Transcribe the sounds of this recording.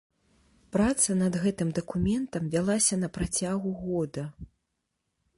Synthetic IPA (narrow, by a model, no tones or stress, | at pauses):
pɾat̪sɐnɐd̪ɣɛt̪ɨmd̪ɐkumʲɛnt̪ɐmvʲalˠasʲɐn̪ɐpɾat͡sʲaɣuɣɔd̪ɐ